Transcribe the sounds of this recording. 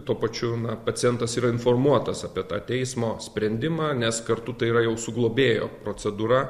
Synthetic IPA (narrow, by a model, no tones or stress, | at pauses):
t̪uɔpɐt͡ʃʲʊnɐpɐt̪t͡s̪ʲɪjɛnt̪ɐsiːɾɐɪnfoːrmuɔt̪ɐsɐpʲiɛt̪ɑ̰ːt̪ʲɛɪsmoːsʲpʲɾʲɛnʲd̪ʲɪmɑːnʲɛskɐɾt̪ʊt̪ɐɪiːɾɐjɛʊsʊɡlˠoːbʲeːjo̰ːpɾoːt͡ssʲɛd̪uːɾɐ